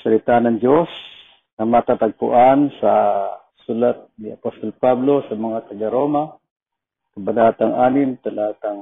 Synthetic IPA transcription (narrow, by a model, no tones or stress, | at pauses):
salɪt̪anɐŋd͡ʒos | namat̪at̪aɡ̚pʊ̰ʔansa | sulat̪̚nɪapost̪olpablo̞samɐŋat̪ɐɡaɾoma | kɐbanat̪aŋʔanɪmt̪alat̪aŋ